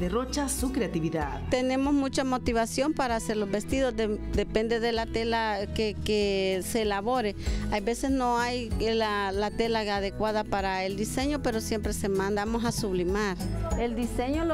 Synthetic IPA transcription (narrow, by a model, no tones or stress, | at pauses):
derot͡ʃasukɾeat̪iβiða̰ðt̪ene̞mosmũt͡ʃamo̞t̪iβasjo̞mpaɾaːse̞ɾlozbe̞st̪iðozd̪ed̪epend̪eðelat̪elakekeselaβoɾeajbe̞se̞snoajlalat̪elaaðekwaðapaɾaeld̪ise̞ɲope̞ɾosje̞mpɾesemãnd̪amo̞sasuβlimaɾeld̪iseɲo